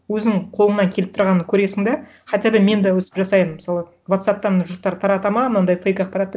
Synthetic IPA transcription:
wɵznɪŋqʰolˠənɑŋkʲʰe̞lɪp̚t̪ʰʊɾʁɑnəŋkʲʰɵɾe̞sɪŋd̪e | qʰɑt̪ebɪme̞nd̪ɑwɵsɪ̥pʒɑsɑjənməsɑlˠə | vat̪sɑp̚t̪ɑɾnəʒʊɾ̚t̪ɑɾt̪ʰɑɾɑt̪ɑmɑnɑnd̪ɑjfejkɑq̚pɑɾɑt̪ːe

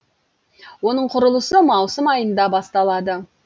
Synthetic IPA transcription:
wo̞nəɴqʰʊɾəlˠəsəmɑwsəmɑjənd̪ɑbɑst̪ɑlˠɑd̪ə

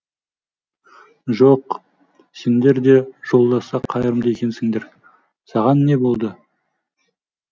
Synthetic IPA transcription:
ʒoq | se̞nd̪e̞ɾd̪e̞ʒ̥o̞lˠd̪ɑsɑqʰɑjəɾəmd̪əjekʲe̞nsɪŋd̪e̞ɾ | sɑʁɑnːe̞bo̞lˠd̪ə

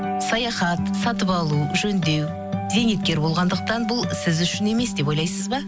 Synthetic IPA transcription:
sɑjɑχɑt̪sɑt̪əpɑlˠuʒɵnd̪e̞w | z̥e̞ŋet̪̚kʲe̞ɾbo̞lˠʁɑnd̪əq̚t̪ɑnbʊlˠsɪzʏʃɪne̞me̞sd̪e̞po̞jlˠɑjsəzbɑ

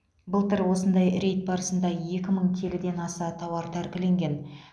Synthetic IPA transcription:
bəlˠt̪əɾwo̞sənd̪ɑjɾe̞jt̪̚bɑɾəsənd̪ɑje̞kʲɪməɴkʲʰe̞lɪd̪e̞nɑsɑt̪ʰɑwɑɾt̪ʰæɾkʲɪle̞ŋɡʲe̞n

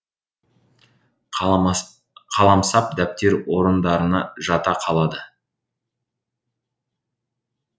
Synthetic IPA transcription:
qʰɑlˠɑmsɑp̚d̪æp̚t̪e̞ɾwo̞ɾənd̪ɑɾənɑʒɑt̪ɑqʰɑlˠɑd̪ə

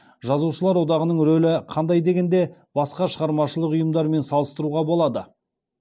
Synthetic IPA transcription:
ʒɑzuʃəlˠɑɾwo̞d̪ɑʁənəɴɾɵlɪqʰɑnd̪ɑjd̪e̞ɡʲe̞nd̪e̞bɑsqɑʃəʁɑɾmɑʃəlˠəqʊjəmd̪ɑɾme̞nsɑlˠəst̪əɾuʁɑbo̞lˠɑd̪ə

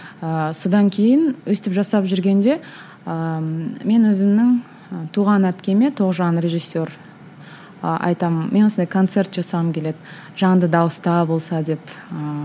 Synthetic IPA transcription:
əso̞d̪ɑŋkʲʰe̞jɪnwɵst̪ɪpʒɑsɑpʒʏɾɡʲe̞nd̪e̞ | əme̞nwɵzɪmnɪŋ | t̪ʰuʁɑnæpkʲe̞me̞t̪ʰo̞ʁʒɑnre̞ʒɨsːe̞ɾ | ɑ̰jt̪ɑmənme̞nwosnd̪ɑjkʰont̪se̞rt̪ʒɑsɑəmkʲʰe̞le̞d̪ɪ | ʒ̥ɑɴd̪əd̪ɑwəst̪ɑbolˠsɑd̪e̞pə

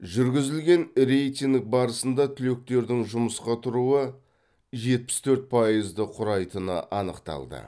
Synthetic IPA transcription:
ʒʏɾɡʲɪzɪlɡʲe̞nɾejt̪ʲiŋk̚bɑɾəsənd̪ɑt̪ʰʏle̞k̚t̪e̞ɾd̪ɪŋʒʊməsqɑt̪ʰʊɾuə | ʒe̞t̪̚pɪ̥st̪ʰɵɾt̪̚pʰɑjəzd̪əqʰʊɾɑjt̪ənə̰ʔɑnəqt̪ɑ̰lˠd̪ə̰

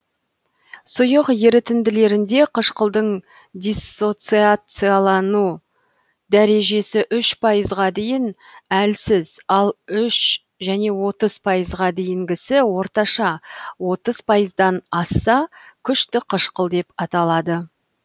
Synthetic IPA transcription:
sʊjəqjeɾɪt̪ɪnd̪ɪle̞ɾɪnd̪e̞qʰəʃqəlˠd̪əɴ | d̪ʲisːo̞t̪siat̪sɨjɑlˠɑnu | d̪æɾe̞ʒe̞sɪʔʏʃpʰɑjəzʁɑd̪e̞jɪn | ælsɪzɑlˠʏʃ | ʒæne̞wo̞t̪əzpʰɑjəzʁɑd̪e̞jɪŋɡʲɪsɪwo̞ɾt̪ɑʃɑwo̞t̪əzpʰɑjəzd̪ɑnɑsːɑkʲʰʏʃt̪ɪqʰəʃqəlˠd̪e̞pɑt̪ɑlˠɑd̪ə

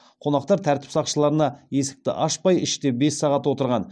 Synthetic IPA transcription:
qʰo̞nɑqt̪ɑɾt̪ʰæɾt̪ɪ̥psɑqʃəlˠɑɾənɑje̞sɪ̥k̚t̪ɪ̰ʔɑʃpɑjɪʃt̪e̞be̞sːɑʁɑt̪wo̞t̪əɾʁɑn

